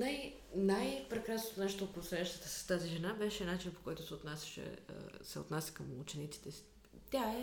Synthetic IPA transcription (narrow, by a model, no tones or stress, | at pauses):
naj | najpɾɛkɾasnot̪onaʃt̪oːt̪post̪ʊjaʃt̪ət̪əsɐ̥st̪aziʒɛnabɛʃɛnat͡ʃinpo̥kɔjt̪ʊsɛot̪nasʲə̥ʃɛ̰ə̰sɛ̰o̰ʊt̪nasʲə̥kəmut͡ʃɛnit̪si̥t̪ɛsi̥ | t̪ʲaɛ